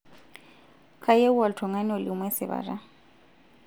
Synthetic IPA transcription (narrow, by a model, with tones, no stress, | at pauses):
kʰa˦je˦u˦a˨ltʰɔ˨ŋa˦nɛɔ˨lɪumwɛ˦sɪ̰ba̰˨ra˦